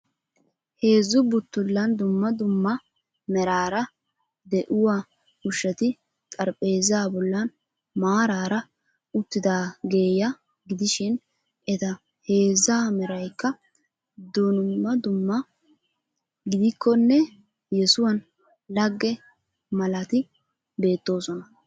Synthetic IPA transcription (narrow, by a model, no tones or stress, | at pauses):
he̞ːzːʊbʊt̪ːʊlːɐnd̪ʊmːɐd̪ʊmːɐ | mɛɾaːɾɐ | d̪ɛʔʊwaː | ʊʃːɐt̪ɪ | t̪ʼɐɾpʼe̞ːzaːbɔlːɐn | maːɾaːɾɐ | ʊt̪ːɪd̪aːɡe̞ːjɐ | ɡɪd̪ɪʃɪn | ʔɛt̪ɐ | he̞ːzaːmɛɾɐjkːɐ | d̪ʊnːɐd̪ʊmːɐ | ɡɪd̪ɪkːɔnːɛ | jɛsʊwɐn | lɐɡːɛ | mɐlɐt̪ɪ | be̞ːt̪ːo̞ːsɔnɐ